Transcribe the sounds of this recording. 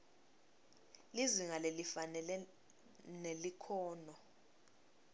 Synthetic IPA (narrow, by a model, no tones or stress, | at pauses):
liziŋalelifanɛlɛ | nelikʰɔːnɔ